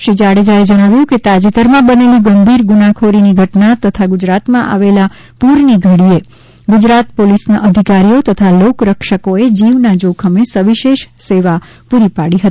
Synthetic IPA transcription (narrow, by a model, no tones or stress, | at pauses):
ʃid͡ʒaɽed͡ʒaed͡ʒəɽ̃aʋjũket̪ad͡ʒit̪əɾmãbəneliɡəmbʱiɾɡunakʰoɾiniɡʱəʈnat̪ət̪ʰaɡʊd͡ʒɾat̪mãʔa̰ʋela | puɾniɡʱəɽie | ɡʊd͡ʒɾat̪polisnaʔəd̪ʱikaɾijot̪ət̪ʰalokɾəkʃəkoed͡ʒiʋnad͡ʒokʰəmesəʋiʃeʃseʋa | puɾipaɽiɦət̪ii̥